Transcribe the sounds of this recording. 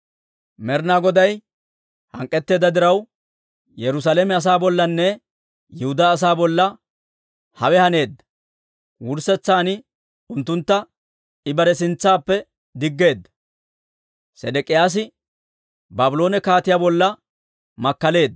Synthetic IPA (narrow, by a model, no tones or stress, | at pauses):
mɛɾnaːɡɔd̪ɐj | hɐ̰ŋkʼːɛt̪ːe̞ːd̪ɐd̪ɪɾɐw | jɛɾʊs̬alemɛɐs̬aːbɔlːɐnːɛ | jɪhʊd̪aːs̬aːbɔlːɐ | hɐwɛhɐne̞ːd̪ːɐ | wʊɾsɛt͡sːaːnɪ | ʊnt̪ːʊnt̪ːɐ | ɪbɐɾɛs̬ɪnt͡sːaːpːɛ | d̪ɪɡːe̞ːd̪ːɐ̥ | sɛd̪ɛkʼɪjaːs̬ɪ | baːbʊlo̞ːnɛkaːt̪ɪjaːbɔlːɐ | mɐkːɐle̞ːd̪ː